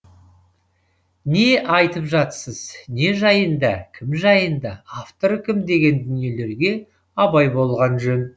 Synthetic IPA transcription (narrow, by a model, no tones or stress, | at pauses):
ne̞ʔɑjt̪əpʒɑt̪səz̥ne̞ʒɑjənd̪ɑkʲʰɪmʒɑjənd̪ɑaft̪o̞ɾkʲʰɪmd̪e̞ɡʲe̞nd̪ʏnije̞le̞ɾɡʲe̞ | ɑbɑjbo̞lˠʁɑnʒɵn